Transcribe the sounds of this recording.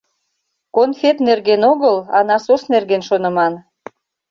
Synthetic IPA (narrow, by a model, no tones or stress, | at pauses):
konfʲet̪nerɣenoɣəlɑ̰nɑsosnerɣenʃonə̆mɑn